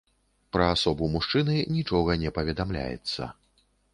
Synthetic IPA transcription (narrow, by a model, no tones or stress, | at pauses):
pɾɐasɔbumuʂt͡ʂɨnɨnʲit͡ʂɔɣɐnʲɛpɐvʲɛd̪amlʲa̰jɛ̰t̪sːɐ̰